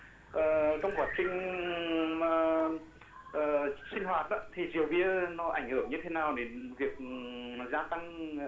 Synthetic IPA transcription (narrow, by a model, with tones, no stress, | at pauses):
ʔəː˨˩kɔ˧wŋ͡mkwaː˨˦˩t̚t͡ɕï˧ŋ̟ | maː˨˩ | ʔəː˨˩sï˧ŋ̟ɦwaː˨˩t̚ʔɗa̰˨˦t̪ʰi˨˩zi˨˩əwɓi˧ənɔ˨˦ʔa̰˧˩jŋhɨː˧˩əŋɲɨ˧t̪ʰe˧˦naː˨˩wɗe˨˧˦nvi˨˩ək̚zaː˧t̪a˧ŋ